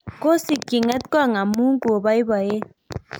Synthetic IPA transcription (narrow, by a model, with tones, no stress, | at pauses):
ko˦si˨ki˨ŋɛ˦t̪̚kwa˦˨ŋa˨mu˦ŋ˦ko˨ba˦i˦ba˨je˦